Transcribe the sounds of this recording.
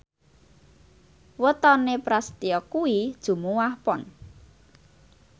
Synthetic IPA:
wət̪ɔnepɾast̪iɔkuid̥ʒ̥ṳmuwahpɔn

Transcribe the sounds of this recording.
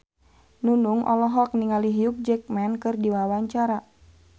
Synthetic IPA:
nunuŋʔɔ̰lɔɦɔk̚niŋaliɦijuk̚d͡ʒɛk̚mɛnkɨrdiwawaɲt͡ʃaɾa

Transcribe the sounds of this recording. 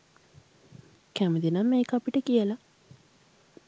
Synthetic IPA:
kæməd̪inamːeːkəapiʈəkijəla

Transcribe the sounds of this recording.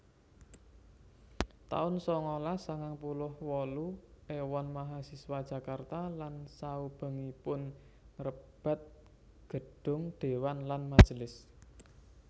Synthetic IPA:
t̪a̰ʊnsɔŋolasaŋaŋpulʊhwɔluewɔnmaɦasiswad̥ʒ̥a̤kart̪alansaub̥ə̤ŋipʊn | rəb̥a̤t̪̚ | ɡ̥ə̤ɖ̥ʊ̤ŋd̪̥e̤wanlanmad̥ʒ̥əlɪs

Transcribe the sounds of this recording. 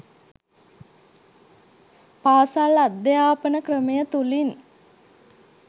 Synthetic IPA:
paːsalad̪ːəjaːpənəkrəmejət̪ulin

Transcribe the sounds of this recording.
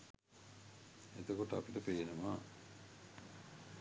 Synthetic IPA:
et̪okoʈəapiʈəpejenəmaː

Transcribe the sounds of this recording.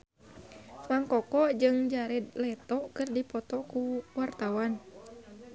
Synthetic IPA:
maŋkɔkɔd͡ʒɨŋd͡ʒaɾɛd̪lɛt̪ɔkɨrdipɔt̪ɔkuwart̪awan

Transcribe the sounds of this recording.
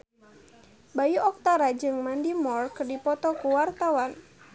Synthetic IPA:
bajuʔɔk̚t̪aɾad͡ʒɨŋmandimɔrkdipɔt̪ɔkuwart̪awan

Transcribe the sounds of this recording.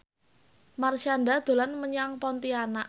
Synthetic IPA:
marsanɖad̪̥o̤lanməɲaŋpɔnt̪ianaʔ

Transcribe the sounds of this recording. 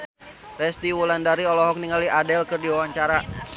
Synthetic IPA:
rɛst̪iwulandaɾiɔlɔɦɔk̚niŋaliʔadɛlkɨrdiwawaɲt͡ʃaɾa

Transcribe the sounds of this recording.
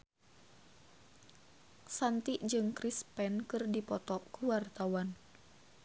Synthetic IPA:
sant̪iʔd͡ʒɨŋkɾispɛnkɨrdipɔt̪ɔʔkuwart̪awan

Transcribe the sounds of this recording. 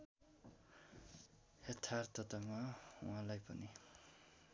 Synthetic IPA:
het̪ʰaɾt̪ʌt̪amawãlajpʌni

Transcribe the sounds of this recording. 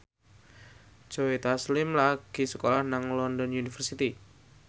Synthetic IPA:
d͡ʒ̥oet̪aslɪmlaɡ̥i̤səkolahnaŋlɔndɔnjunifərsit̪i

